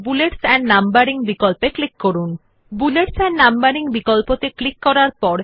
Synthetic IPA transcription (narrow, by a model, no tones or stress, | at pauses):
buleʈsɛnːambaɾiŋbikɔlpeklikːoɾun | buleʈsɛnːambaɾiŋbikɔlpot̪eklikːɔɾaɾpɔɾ